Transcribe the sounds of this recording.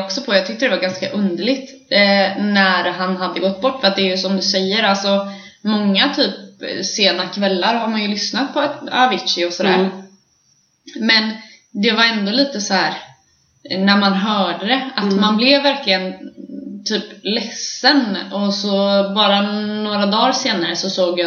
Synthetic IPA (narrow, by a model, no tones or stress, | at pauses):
ɔksɔpʰɔjɑːɡ̚t̪ʏkt̪əd̪ɛvaɾɡanskaʔɵnd̪əɭɪɡt̪ | næɾɦanɦad̪ːəɡɔt̪ːbɔʈːfœɾat̪̚d̪ɛːɾjɵsɔmd̪ɵsɛjːəɾalsɔ | mɔŋːat̪ʰyːpseːnaɾkʰvɛlːaɾɦaɾmanjɵlʏsnat̪̚pʰɔavɪtʂɪɔsɔd̪æ̰ːɾ | mɛn | d̪ɛvaɾɛnd̪oːliːt̪əsɔhæːɾ | næɾmanɦœːɖəd̪ɛat̪manblɛvːæɾklɪɡənt̪ʰyːplɛsːənɔsɔbɑːɾanoːɾad̪ɑːɾseːnaɾəsɔsoːɡja